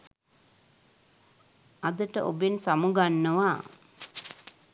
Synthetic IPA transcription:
ad̪əʈə̰ʔobensamuɡanːəʋa

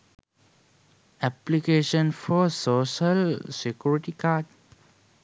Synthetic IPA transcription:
ɛplikeʃə̃nfɔsoʃalsekjuɹiʈikad

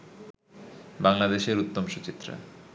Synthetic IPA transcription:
baŋlad̪eʃeɾut̪ːomʃot͡ɕit̪ːɾa̰

